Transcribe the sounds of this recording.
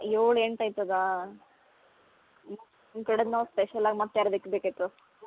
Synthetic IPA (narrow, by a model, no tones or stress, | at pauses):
joːɭeɳʈɐjt̪ːud̪a | m | nkɐɽed̪naspeʃɐlaːɡimɐt̪ːeɐɾɐd̪ikːbeːkit̪ːu